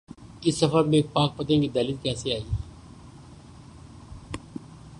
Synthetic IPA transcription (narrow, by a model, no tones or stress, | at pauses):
ɪsːɐfəɾmẽk̚paːk̚pət̪ẽkid̪ɐːlid̪̚kɛːseaːiː